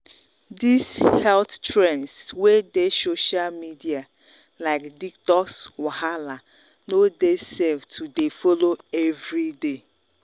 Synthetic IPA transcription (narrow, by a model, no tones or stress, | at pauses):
dishɛlttʰɾɛ̃nswedesoʃalmidia | laɪkdiktɔkswahala | nodesevtʰudefoloɛvɾide